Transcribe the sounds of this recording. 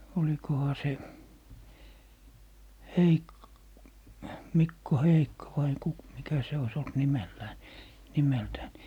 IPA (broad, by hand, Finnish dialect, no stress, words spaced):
olikohɑ se heik mikːo heikːo ʋɑi ku mikæ se ois olt nimelːæː ni nimeltæːn